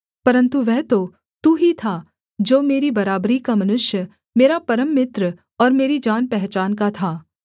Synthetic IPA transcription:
pɐɾə̃nt̪uʋɛɦt̪o | t̪uːɦit̪ʰa | d͡ʒoːmeːɾibɐɾaːbɾikamɐnʊʃjə | meːɾapɐɾəmːɪt̪ɾə | ɔːɾmeːɾid͡ʒaːnpɛɦt͡ʃaːnkat̪ʰaː

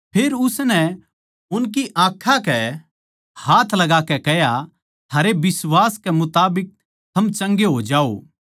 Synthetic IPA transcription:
pʰeːɾʊsnɛ | ʊnk̬iʔãːkʰakɛ | haːt̪ʰlɐɡaːkɛkɛɦja | t̪ʰaːɾebɪswaːskɛmʊt̪aːbɪk̚ | t̪ʰɐmt͡ʃɐ̃ŋɡeɦod͡ʒaːo̰ː

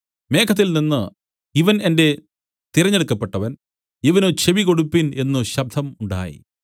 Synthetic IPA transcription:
me̞ːkʰɐt̪̬ːilninːɨ | iʋɐnende̞ | t̪iɾɐɲːeɽukːɐpːeʈːɐʋɐn | iʋɐnot͡ɕeʋiko̞ɽupːine̞nːuɕɐb̚d̪ʱɐmuɳɖa̰ːjḭ

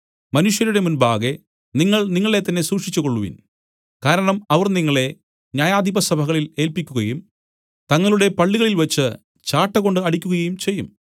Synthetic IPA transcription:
mɐnuʂjɐɾuɽe̞munbaːɣe̞ | niŋːɐɭniŋːɐɭe̞t̪ːɐnːe̞suːkʂit͡ɕːuko̞ɭːuʋḭn | kaːɾɐɳɐmɐʋɐrniŋːɐɭe̞ | ɲaːjaːd̪ʱibɐsɐbʱɐɣɐɭile̞ːlpikʲːuɣɐjum | t̪ɐŋːɐɭuɽe̞pɐɭːiɣɐɭilʋɐt͡ɕːɨ | t͡ɕaːʈːɐɣo̞ɳɖɨɐɽikʲːuɣɐɣɐjumt͡ɕe̞jːum

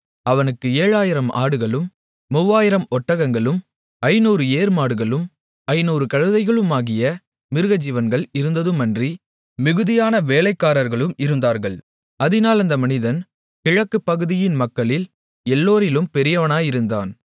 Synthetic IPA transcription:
ɐʋɐnɯkːɯeːɻaːjɪɾɐma̰ːɽɯɣɐɭɯmː | ʊʋːaːjɪɾɐmɔʈːɐɣɐŋɡɐɭɯm | ɐɪnuːɾɯeːɾmaːɽɯɣɐɭɯm | ɐɪnuːɾɯkɐɻɯðɐɪɣɐɭɯmaːɣɪjɐ | mɪɾɯɣɐd͡ʒɪʋɐnɡɐɭɪɾɯnd̪ɐðɯmɐndri | mɪɣɯðɪjaːnɐʋeːlɐɪkːaːɾɐɾɣɐɭɯmɪɾɯnd̪aːɾɣɐɭ | ɐðɪnaːlɐnd̪ɐmɐnɪðɐn | kɪɻɐkːɯpːɐɣɯðɪjɪnmɐkːɐɭɪl | ɛlːoːɾɪlɯmpɛɾɪjɐʋɐnaːjɪɾɯnd̪a̰ːn

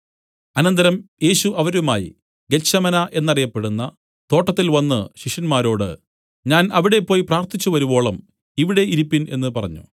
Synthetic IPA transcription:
ɐnɐnd̪ɐɾɐmje̞ːɕuʔɐʋɐɾumaːjḭ | ɡet͡ɕːɐmɐnɐʔe̞nːɐrijɐpːe̞ɽunːɐ | t̪o̞ːʈːɐt̪ːilʋɐnːɨɕiʂɐnmaːɾo̞ːɽɨ | ɲaːnɐʋiɽe̞pːo̞ːjipraːrt̪it͡ɕːuʋɐɾubo̞ːɭɐm | iʋiɽe̞ʔiɾipːine̞nːɨpɐrɐ̰ɲːṵ

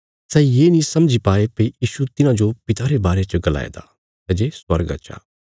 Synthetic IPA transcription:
sɛjeːnĩsɐmd͡ʒipaːepeijiːʃut̪ɪnãd͡ʒopɪt̪aɾebaːɾet͡ʃəɡɐla̰ːḛd̪a̰ː | t̪ɐd͡ʒeːswɐɾɡə̰t͡ʃʰa̰ː

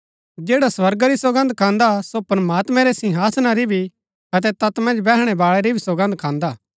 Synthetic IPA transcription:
d͡ʒeːɽaswɐɾɡaɾisoɡə̃nd̪kʰãːnd̪asopɾɐmaːt̪mɛ̃ɾɛsɪ̃ɦaːsnaɾibʱi | ɐt̪̬ɛt̪ɐt̪mɐ̃nd͡ʒbɛːɦɽ̃ɛbaːɭɛɾibʱisoɡə̃nd̪̚kʰãːnd̪aː

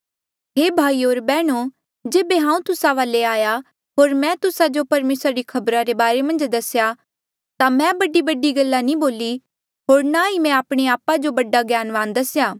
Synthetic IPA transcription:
ɦeːbʱaːioːɾbɛːɽ̃o | d͡ʒeːbeɦãːũt̪ʊsaʋaːleaːja | ɦoːɾmɛ̃t̪ʊsad͡ʒopɐɾmeːsɾaɾikʰɐbɾaɾebaːɾemɐ̃nd͡ʒd̪ɐsja | t̪amɛ̃bɐɖibɐɖiɡɐlːanĩboːli | ɦoːɾnaimɛ̃aːpɽ̃eaːpad͡ʒobɐɖaɡjaːnʋãːnd̪ɐsjaː

